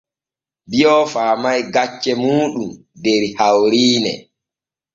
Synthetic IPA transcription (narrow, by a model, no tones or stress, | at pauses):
bijɔfaːmajɡat͡ʃːɛmuːɗum | dɛɾihawɾiːnɛ̰